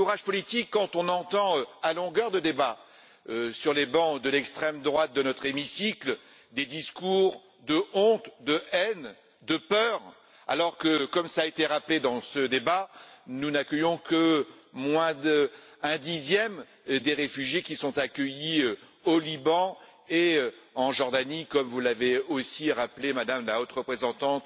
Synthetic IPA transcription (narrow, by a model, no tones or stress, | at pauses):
uʁaʒpɔlit̪ikːɑ̃t̪ɔ̃nɑ̃t̪ɑ̃øalɔ̃ɡœʁd̪əd̪eba | øsyʁlebɑ̃d̪əlɛkst̪χɛmd̪ʁwat̪̚d̪ənɔt̪χemisikl | d̪ed̪iskuʁ | d̪əɔ̃t̪d̪əʔɛn | d̪əpœʁ | a̰lɔʁkəkɔmsaːet̪eʁapled̪ɑ̃səd̪ebanunakʲəjɔ̃kə | mwɛ̃d̪ɛ̃d̪izjɛm | d̪eʁefyʒjekʲisɔ̃t̪akʲəji | olibɑ̃eɑ̃ʒɔʁd̪anikɔmvulaveosiʁaplemad̪amlaot̪ʁəpχezɑ̃t̪ɑ̃t̪